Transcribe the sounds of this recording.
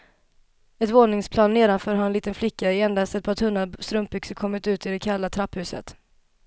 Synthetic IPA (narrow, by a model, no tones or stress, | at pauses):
ɛt̪voːnɪŋspʰlɑːnːeːd̪anfœːɾɦanɛnliːt̪ənflɪkːaɛɛnd̪ast̪ɛt̪̚pʰɑːt̪ʰɵnːast̪ɾɵmp̚bʏksəkʰɔmːɪt̪ʉ̟ːt̪ɪd̪ɛkʰalːat̪ʰɾapːhʉ̟ːsə̰t̪